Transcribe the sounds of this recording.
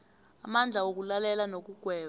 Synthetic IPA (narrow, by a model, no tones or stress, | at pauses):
amand͡ɮʱawok̬ulalɛlanok̬uɡ̥ʱwɛː